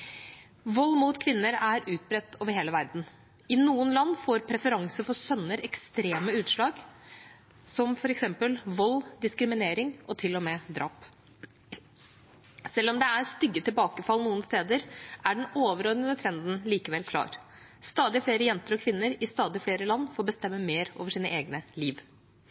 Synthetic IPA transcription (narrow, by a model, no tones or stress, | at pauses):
ʋɔlːmuːt̪kʰʋɪnːəɾæɾʉːt̪̚bɾɛt̪ːoːʋəɾɦeːləʋæɾd̪n̩ | ɪnuːənlɑnːfoːɾpʰɾɛfəɾɑŋsəfɔsœnːəɾɛkst̪ɾeːməʉːt̪ʂlɑːɡ | sɔmfɔɾɛksɛmpəlʋɔld̪ɪskɾɪmɪneːɾɪŋɔt̪ʰɪlːɔmɛd̪ɾɑ̰ːp | sɛlːɔmd̪ɛæɾst̪ʏɡːət̪ɪlbɑːkəfɑlːnuːənst̪eːd̪əɾʔæɖɛnoːʋəɾɔɾəənət̪ʰɾɛnd̪n̩liːkəʋɛlkʰlɑ̰ːɾ | st̪ɑːd̪ɪfleːɾəjɛnt̪əɾɔkʰʋɪnːəɾɪst̪ɑːd̪ɪfɽeːɾəlɑnːfoːɾbəst̪ɛmːəmeːɾo̰ːʋəʂiːnəʔeːɡnəliːʋ